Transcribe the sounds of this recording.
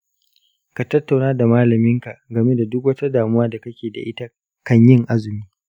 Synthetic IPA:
ka˨tɐ˦tːa˨wnaː˦da˨maː˦lɐ˨mɪ˦ŋka˨ɡɐ˨me˦da˨dʊ˦k̬wɐ˦ta˦daː˨mʊ˦waː˦da˨kɐ˦kʲeː˨da̰˨ʔɪ˦ta˦ | kɐ˦ɲjɪ˦ŋʔa˦zʊ˨miː˦

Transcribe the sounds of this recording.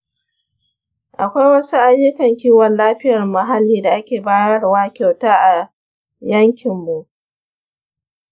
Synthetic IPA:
ʔa˨kʷa˦jwɐ˦su˦ʔa˦jːʊ˦kɐ˨ŋkʲiː˦wɐ˨nlaː˦ɸɪ˦jɐ˨rmɐ˨ɦa˦lːiː˨da˨ʔa˦kʲeː˨baː˦jɐ˦rwaː˦kʲa˨wtaː˦ʔa˨ | jɐ˦ŋkʲʰɪ˨mːu˨ʔ

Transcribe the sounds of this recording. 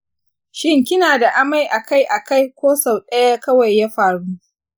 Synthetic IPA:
ʃɪ˦ŋkʲɪ˦naː˨da˨ʔa˦ma˦jʔa˨ka˦jʔa˨ka˦jkʷoː˦sa˨wɗɐ˦ja˦kɐ˦wa˨jːa˦ɸaː˨ɽuː˦

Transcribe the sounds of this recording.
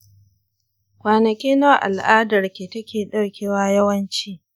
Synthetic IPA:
kʷaː˨nɐ˨kʲiː˦na˦ʔa̰˨lʔaː˦dɐ˨rkʲeː˨tɐ˦kʲeː˨ɗɐ˦rkʲeː˦waː˦jɐ˦wɐ˦nt͡ʃiː˦

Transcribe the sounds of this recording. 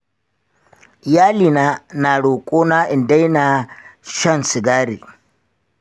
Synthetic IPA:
jaː˦liː˨naː˦na˨ɽoː˨kʷʼoː˦naː˦ʔɪ˨nda˦jnaː˨ʃɐ˦nsɪ˨ɡaː˦ɾḭː˨

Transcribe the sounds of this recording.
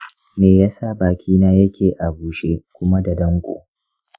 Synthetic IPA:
meː˨ja˦sa˦baː˨kʲʰiː˦naː˦jɐ˦kʲeː˨ʔa˨buː˨ʃeː˦kʷʊ˦ma˦da˨dɐ˦ŋkʷʼo̰ː˨

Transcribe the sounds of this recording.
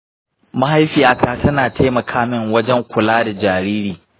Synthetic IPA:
ma˦ɦa˦jɸiː˨jaː˦kaː˨tɐ˦naː˨tʰa˦jmɐ˨kʰaː˦mɪ˦˨ŋwɐ˦d͡ʒɛ˦ŋkʷʊ˨laː˦da˨d͡ʒaː˨ɾiː˦ɾiː˨

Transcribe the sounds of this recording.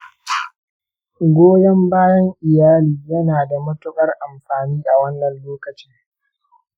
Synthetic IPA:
ɡʷoː˦jɐ˦mbaː˦jɐ˦ŋʔɪ˨jaː˦liː˨jɐ˦naː˨da˨mɐ˦tʊ˦kʼɐ˦rʔa˨mɸaː˨niː˦ʔa˨wɐ˦nːɐ˨nloː˦kɐ˨t͡ʃɪ˦ŋ

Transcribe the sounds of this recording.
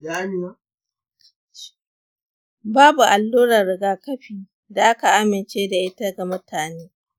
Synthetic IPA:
ɡa˨˦ni˨ma˦ | baː˦bu˨ʔa˨lːuː˦ɾɐ˨ɾɪ˨ɡaː˦kɐ˦ɸiː˨ | da˨ʔa˦ka˨ʔa˦mɪ˨nt͡ʃeː˦da˨ʔɪ˦ta˦ɡa˨mʊ˦tʰaː˨neː˦

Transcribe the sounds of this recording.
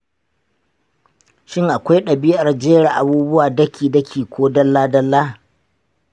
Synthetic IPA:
ʃɪ˦ŋʔa˨kʷa˦jɗɐ˨bɪ˦jɐ˨rd͡ʒeː˦ɽa˨ʔa˨buː˦bʊ˦waː˨dɐ˦kʲʰiː˨dɐ˦kʲʰiː˨kʷoː˦dɐ˦lːaː˦dɐ˦lːaː˦

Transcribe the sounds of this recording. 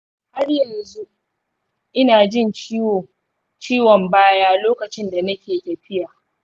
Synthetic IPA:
ha˦rjɐ˨nzu˦ | ʔɪ˦naː˨d͡ʒɪ˦nt͡ʃiː˦woː˨ | t͡ʃiː˦wɔ˨mbaː˦jaː˦loː˦kɐ˨t͡ʃɪ˦nda˨nɐ˦kʲeː˨tʲɐ˨ɸɪ˦jaː˨

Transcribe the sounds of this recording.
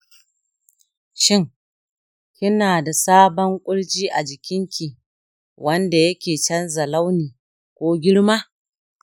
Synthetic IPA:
ʃɪ˦ŋ | kʲɪ˦naː˨da˨saː˦bɔ˦ŋkʷʼʊ˦ɽt͡ʃiː˦ʔa˨d͡ʒɪ˨kʲɪ˦ŋkʲi˨ | wʔɐ˦nda˨jɐ˦kʲeː˨t͡ʃɐ˦nzɐ˨la˦wniː˨ | kʷoː˦ɡʲɪ˦ɽmaː˦

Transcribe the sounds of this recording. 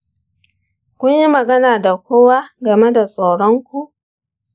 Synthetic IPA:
kʷʊ˦ɲji˦mɐ˨ɡɐ˦naː˨da˨kʷoː˦wa˦ɡɐ˨me˦da˨sʼa˨wɽɔ˦ŋkʷu˦ʔ

